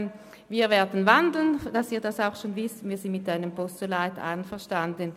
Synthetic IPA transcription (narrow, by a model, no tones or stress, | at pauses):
viːɐvɛːɐdn̩vandl̩nd̥asiːɐdasaʊxʃoːnvɪstviːɐzɪndmɪtaɪnəmpɔst͡solaɪta̰ɪnfɛɐʃtandən